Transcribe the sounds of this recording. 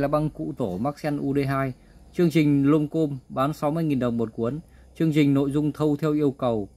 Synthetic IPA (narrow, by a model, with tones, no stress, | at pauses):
laː˨˩ɓa˧ŋkṵ˧˨t̪o˧˩maː˦˥k̚sɛ˧nʔu˧ɗe˧ɦaː˧j | t͡ɕɨ˧əŋt͡ɕï˨˩ŋ̟lo˧mko˧mɓaː˨˦nsa˨˦wmɨ˧əjŋi˨˩nɗə˨˩wŋ͡mmo˨˩t̚ku˨˦ən | t͡ɕɨ˧əŋt͡ɕï˨˩ŋ̟no̰˧˨jzʊ˧ŋ͡mt̪ʰə˧wt̪ʰɛ˧wʔi˧əwkə˨˩w